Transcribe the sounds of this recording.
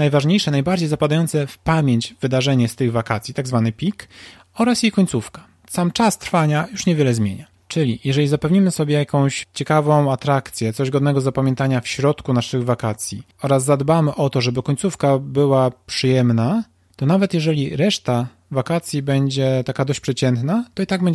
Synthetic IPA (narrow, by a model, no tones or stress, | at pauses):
najvaʐɲejʂɛnajbaɾd͡ʑejzapad̪ajɔnt̪sɛfpamʲjeɲt͡ɕvɘd̪aʐɛɲɛst̪ɘɣvakat̪sʲjit̪aɡzvanɘpʲik | ɔɾasjejkɔɲʲtsufkḁ | samt͡ʂast̪ɾfaɲajuʂɲɛvʲjɛlɛzmʲjeɲa | t͡ʂɘlʲijʔɛʐɛizapɛvɲimɘsɔbʲjɛjakɔ̃w̃ɕt͡ɕɛkavɔ̃w̃at̪ɾakt̪sʲjɛt̪sɔʑɡɔd̪nɛɡɔzːapamʲjɛnt̪aɲafɕɾɔt̪kunaʂɘɣvakat̪sʲji | ɔɾasːad̪bamɘʔɔt̪ɔʐɛbɘkɔɲt̪sufkabɘwapʂɘjɛmna | t̪ɔnavɛt̪jɛʐɛlʲiɾɛʂt̪a | vakat̪sʲjibɛɲd͡ʑɛt̪akad̪ɔɕt͡ɕʲpʂɛt͡ɕɛnt̪nat̪ɔit̪aɡ̚bɛɲd͡ʑ